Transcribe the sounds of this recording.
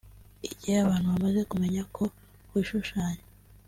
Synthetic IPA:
iɟiajaβaːn̥huβamaze̞kume̞ɲakʰo̞ | wiʃuʃaːɲe

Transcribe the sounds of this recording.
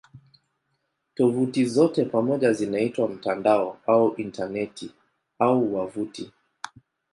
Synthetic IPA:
tɔvutizɔtɛpamɔʄazinaitwam̩tandaɔauʔintanɛti | auwavuti

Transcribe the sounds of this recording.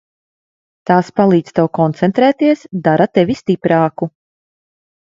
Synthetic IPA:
t̪aːspalˠiːd̪st̪ɛwkɔnt̪sɛnt̪ɾɛːt̪iɛsd̪aɾat̪ɛvʲist̪ipɾaːku

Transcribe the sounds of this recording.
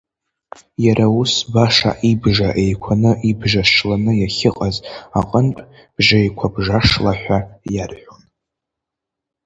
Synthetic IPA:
jaɾʔausbaʂa̰ʔibʐaʔe̞jkʷʰanɨʔibʒaʃlanɨjaχʲɪqʼazaqʼənpʼ | b̥ʒajkʷʰabʐaʂlaħᶣʷajarħʷᶣon

